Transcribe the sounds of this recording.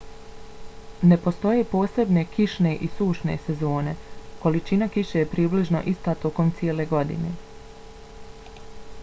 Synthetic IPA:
ne̞po̞st̪o̞je̞ːpo̞ːse̞bne̞kʰiʃne̞ʔisuːʃne̞̰se̞zo̞ːne̞ko̞lit͡ʃinakiʃe̞jepɾiːbliʒno̞̰ʔist̪at̪o̞ko̞mt̪sie̞le̞ɡo̞d̪ḭne̞̰

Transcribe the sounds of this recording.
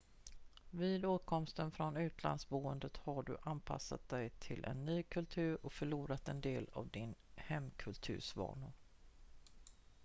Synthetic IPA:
viːd̪oːt̪̚kʰɔmst̪ənfɾɔnʉ̟ːt̪ʰla̰nd̪sbuːənd̪ət̪haɖɵ̰ʔanpʰa̰sa̰t̪̚d̪ɛjt̪ʰɪlʔɛ̰nːyːkʰɵlt̪ʰʉ̟ːɾɔkfœɭuːɾat̪ɛnd̪eːla̰vd̪ɪnhɛmːkʰɵlt̪ʰʉ̟̰ːʂvɑ̰ːɳʊ

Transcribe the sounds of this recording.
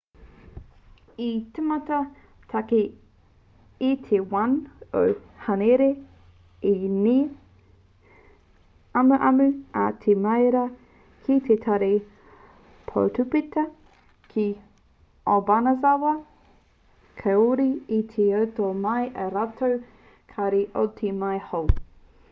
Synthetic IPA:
itʰemɐtɐ | tʰake | it̪ʰewɐno̰whɐneɾe | ini | ɐmuʔɐmʉa̰t̪ʰemɐjɾɐ | kʰit̪ʰet̪ʰaɾe | pʰo̰wtʰupitɐ | kʰi | obanɐzawɐ | kʰɐuɾiit̪ʰeɐwtomɐjʔɐɾatʰow | kʰaɾiʔo̰tʰimajhow

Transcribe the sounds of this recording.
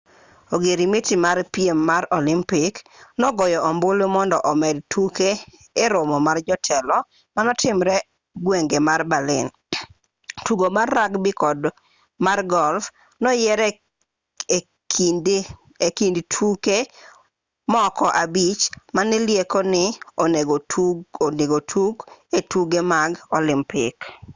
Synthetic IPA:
oɡeɾimetimaɾpiemːaɾɔlɪmpɪknɔɡɔjɔʔɔmbolomɔndɔʔɔmɛdtʰukeː | ɾomɔmard͡ʒɔtʰɛlɔ | manɔtɪmɾɛ | ɡweŋɡemarbalɪ̰n | tuɡomarːakbɪkɔd | marɡɔlf | nɔjɛɾɛ | kd | ekindtʰuke | mɔkɔʔabit͡ʃmanɪljekonɪɔneɡooneɡotʰuɡetuɡemaɡɔlɪmpɪk

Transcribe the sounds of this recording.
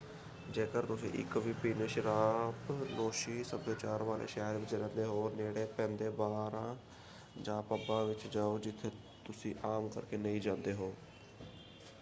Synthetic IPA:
d͡ʒeːkəɾt̪ʊsḭ̃ːʔɪ̰kʋiːpiːneːʃɪɾaːpnoːʃiːsəbeːt͡ʃaːɾʋaːlḛːʃɛːɾʋɪt͡ʃɾɛ̃ːnd̪eːɦoːneːɽeːpɛ̃ːnd̪eːbaːɾãː | d͡ʒãːpəbãːʋɪt͡ʃd͡ʒaːoːd͡ʒɪt̪ʰːeː | t̪ʊsĩːʔaːmkə̰ɾkeːnəĩːd͡ʒãːnd̪eːɦoː

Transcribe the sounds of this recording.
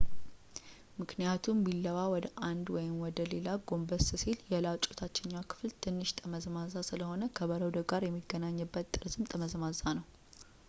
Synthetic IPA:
mɨknijat̪ʰumbilːəwawɔd̪əʔand̪wɔjɪmwɔd̪əle̞laɡo̞mbəsɨsiljɛlat͡ʃʼo̥t̪ʰat͡ʃːɛɲːakʰɨ̥flt̪ʰɨnːɨʃt̪ʰʼəməzmazasɨləho̞nəkʰəβəɾəwd̪əɡaɾjɛmːiɡːənaɲːɨbːət̪ːʼɨɾsɨmt̪ʼəməzmazanəw

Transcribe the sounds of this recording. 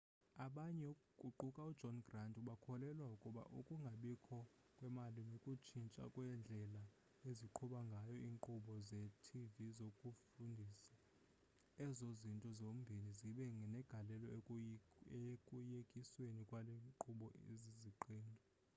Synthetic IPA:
aɓaɲɛukʼuǃukʼaud̥d͡ʒʱɔnɡrandʼuɓakʰɔlɛlwaukʼuɓa̰ʔukʼuŋɡʱaɓikʰɔ | kʼwɛmalinikʼut͡ʃʰint͡ʃʼa̰kʼwɛnd͡ɮʱɛla | eziǃʰuɓaŋɡʱajɔiːŋǃʰuɓɔzɛtʰivizokʼufundʱisḁ | ɛzozintʼɔzombʱiniziɓɛŋɡʱɛnɛɡ̥ʱalɛlɔ | ekʼujekʼiswenikʼwaleǃuɓɔeziziǃiːndʱɔ

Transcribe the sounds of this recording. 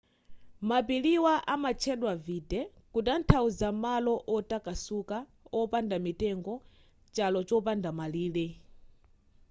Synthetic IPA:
mapiliwaʔamat͡ʃʰɛɗwavitɛ | kutan̩tʰauzamalɔʔɔtakasuka | ɔpandamitɛŋɡɔ | t͡ʃalɔt͡ʃɔpandamaliːlɛ

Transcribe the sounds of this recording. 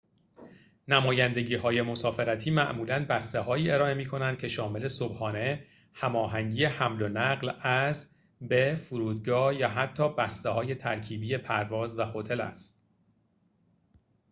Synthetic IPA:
næmɒːjænd̪e̞ɟiːɦɒːje̞mo̞sɒːfe̞ɾæt̪ʰiːmæʔmuːlænbæst̪e̞ɦɒːiːe̞ɾɒːe̞miːkʰo̞nænd̪̥̚cʰe̞ʃɒːme̞le̞so̞bhɒːne̞ | hæmɒːɦæŋɟiːjehæmlo̞næɢlæz | be̞fuɾuːd̪ɡɒːhjæɦæt̪ʰːɒːbæst̪ehɒːje̞t̪ʰæɾcʰiːbiːe̞pʰæɾvɒːzvæxot̪ʰe̞læ̰st̪̚

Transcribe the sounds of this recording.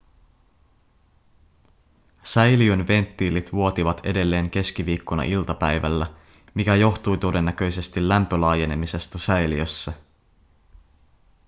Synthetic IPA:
sæjliønʋe̞nt̪ːiːlit̪ʋuo̞t̪iʋɑt̪ʰe̞de̞lːe̞ːŋk̟e̞sk̟iʋiːkːonɑ̰ʔilt̪ɑpæjʋæ̰lːæ | mikæjo̞xt̪ujt̪o̞de̞nːækø̞jse̞st̪ilːæmpølɑːje̞ne̞mise̞st̪æsæjliøsːæ

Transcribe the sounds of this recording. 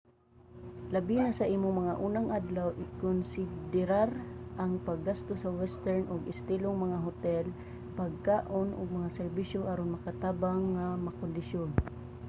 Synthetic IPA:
lɐbinasɐʔiːmoŋmɐŋaʔuːnaŋʔad̪lawʔɪkʊnsɪd̪ɪɾaɾʔaŋpaɡːast̪osawɛst̪ɛɹnʔʊɡɪst̪iloŋmɐŋaɦʊt̪ɛl | paɡ̚kaːʔonʔʊ̰ɡ̚mɐŋasɛɾbiʃjohaɾonmɐkat̪aːbaŋːamakʊnd̪ɪsjon

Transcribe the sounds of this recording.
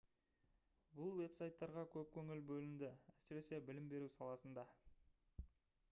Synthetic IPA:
bʊlˠwe̞psajt̪ːɑɾʁɑkʲʰɵp̚kʲʰɵŋɪlbɵlɪnd̪ɪæsɪɾe̞se̞bɪlɪmbe̞ɾusɑlˠɑsənd̪ɑ

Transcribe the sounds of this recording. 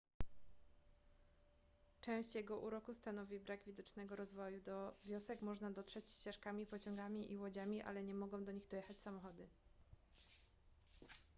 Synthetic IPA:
t͡ʂɛ̃w̃ɕt͡ɕjɛɡɔʔuɾɔkust̪anɔvʲibɾaɡvʲid̪ɔt͡ʂnɛɡɔɾɔzvɔjud̪ɔvʲjɔsɛkmɔʐnad̪ɔtʂɛt͡ɕɕt͡ɕɛʂkamʲipɔt͡ɕɔ̃ŋɡamʲiʔiwɔd͡ʑamʲiʔa̰lɛɲɛmɔɡɔ̃w̃d̪ɔɲiɣd̪ɔjɛxat͡ɕsamɔxɔd̪ɘ

